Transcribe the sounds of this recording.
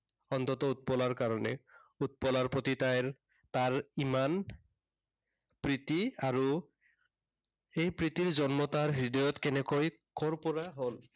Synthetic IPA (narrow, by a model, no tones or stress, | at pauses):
ɔnt̪ɔt̪ɔut̪̚pɔlaɹkaɹɔnɛ̰ut̪̚pɔlaɹpɹot̪itajɹ | taɹiman | pɹit̪iaɹu | ejpɹit̪iɹzɔnmɔt̪aɹɦɹid̪ɔjɔtkɛnɛkoj | kɔɹpɔɹaɦol